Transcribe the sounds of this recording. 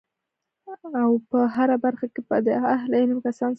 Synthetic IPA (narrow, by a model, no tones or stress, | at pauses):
awpəɦaɾabaɾxakepəd̪əahlanəmkasɑn